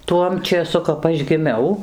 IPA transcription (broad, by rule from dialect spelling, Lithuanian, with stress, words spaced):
ˈtuɔm t͡ʃʲeːˈsʊ kɐp ˈɐʃ ɡʲɪˈmʲɛʊ